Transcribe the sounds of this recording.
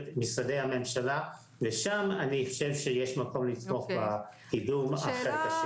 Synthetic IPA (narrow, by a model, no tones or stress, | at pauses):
t̪misade̞jhame̞mʃala | veʃamaniiχoʃe̞vʃejeʃmako̞mlit̪mo̞χbakiduma̰χeʁkaʃ